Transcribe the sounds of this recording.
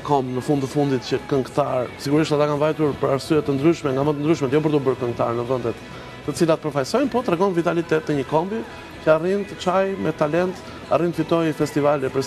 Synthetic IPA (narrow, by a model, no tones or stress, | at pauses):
kɔmnəfund̪əfund̪it̪̚cəkəŋkt̪aɾsiɡuɾiʃt̪at̪akanvajt̪uɾpəɾaɾsyjɛt̪ənd̪ɾyʃmɛŋɡamət̪ənd̪ɾyʃmɛt̪jɔp̬əɾt̪ubəɾkəŋk̚t̪a̰ɾnəvənd̪ɛt̪ː | ət͡silat̪əpəɾfajsɔjmpɔt̪ɾɛɡɔmvit̪alit̪ɛt̪ːəɲəkɔmbi | cəarint̪ət͡ʃajmɛt̪alɛnt̪ | a̰rint̪fit̪ɔjfɛst̪ivalɛpəɾ